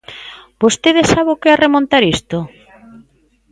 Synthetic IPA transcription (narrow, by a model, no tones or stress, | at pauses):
bost̪eðesaβʊkearemõnt̪aɾist̪o